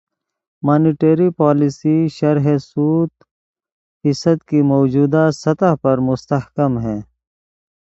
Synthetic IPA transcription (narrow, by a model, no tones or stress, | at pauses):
maːniʈeːɾipaːlisiʃɐɾɦesuːt̪ | fɪsɐd̪kimoːd͡ʒuːd̪asɐt̪aɦpɐɾmʊst̪ɐhkɐmɦɛ̃ː